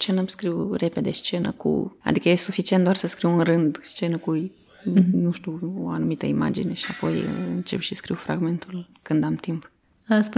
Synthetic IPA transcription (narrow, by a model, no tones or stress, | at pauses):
st͡ʃe̞nəmskɾiwre̞pe̞d̪e̞st͡ʃe̞nə̰kʰṵa̰d̪ikəjesufit͡ʃient̪d̪oarsəskɾiwɨnrɨnd̪st͡ʃe̞nəku | nuʃt̪uoanumit̪əima̰d͡ʒḭne̞ʃiapo̞j̰ɨnt͡ʃe̞pʃiskɾiwfɾa̰ɡme̞nt̪ulkɨnd̪amt̪imp | əspu